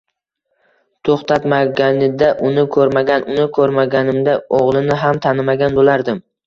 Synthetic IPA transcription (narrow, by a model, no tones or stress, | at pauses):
t̪ʰoχt̪ʰat̪maɡʲanɪd̪aʔʊnɪkʰɵɾmaɡʲanʔʊnɪkʰɵɾmaɡʲanɪmd̪aoʁlˠɪnɪɦamt̪ʰanɪmaɡʲanbolaɾd̪ɪm